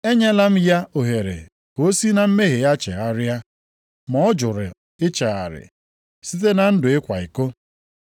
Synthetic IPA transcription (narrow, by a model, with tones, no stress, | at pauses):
e˦ɲe˦la˦m̩˦ja˦o˨ɦe˨ɾḛ˨ | ko˦si˦na˨m̩˦me˦ɦe˨ja˦t͡ʃḛ˨a˦ɾja˦ | mɔ˨ɔ˦d͡ʒʊ˨ɾɪ̰˨ | ɪ˦t͡ʃa˨a̰˨ɾɪ̰˨ | si˦t̬e˦na˨n̩˦dʊ˨ɪ˦kʷa˨ɪ˨ko˦